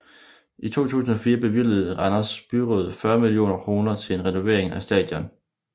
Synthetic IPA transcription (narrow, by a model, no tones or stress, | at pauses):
it͡sʰo̝̰ːt͡sʰṵːsn̩ɒ̽fiːɐb̥e̝ʋileð̩ˠʁɑnɐsb̥yʁoð̩ˠfɶɐmilijo̝̰ːnɐkʰʁo̝ːnɐt͡sʰe̝le̝nʁɛno̝ʋe̝̰ɐe̝ŋæsd̥ɛ̰ːd̥jɒ̽n